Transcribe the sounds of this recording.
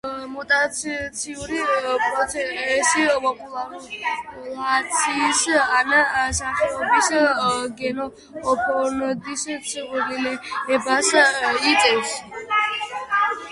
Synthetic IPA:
mɔt̪ʼat̪sʰt̪sʰiuɾipʼɾɔɛɛsipʼɔpʼulaɾulat̪sʰisanasaχʰɛɔbisɡɛnɔː | pʰɔnd̪issʰiquɾilɛɛbasit̪ʼɛps

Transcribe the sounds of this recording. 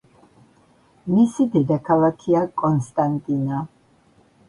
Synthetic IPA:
misid̪id̪akʰalakʰiakʼɔnst̪ʼant̪ʼina

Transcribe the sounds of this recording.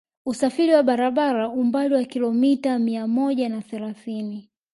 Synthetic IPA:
usafiɾiwaɓaɾaɓaɾaumbaliwakilɔmitamiamɔʄanaθɛlaθini

